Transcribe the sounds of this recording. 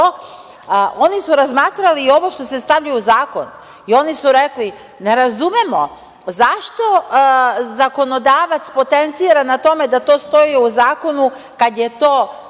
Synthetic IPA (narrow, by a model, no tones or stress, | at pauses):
onisuɾazmaːt̪ɾaliːo̞ʋo̞ʃt̪o̞se̞st̪aʋʎujuzaːko̞̰n | io̞nisuɾekli | ne̞ɾazumemo | zaʃt̪o̞ | zako̞no̞d̪aːʋat̪spo̞t̪ent̪siːɾanat̪o̞me̞d̪at̪o̞ːst̪o̞iuzaːko̞nu | kad̪je̞t̪o̞ː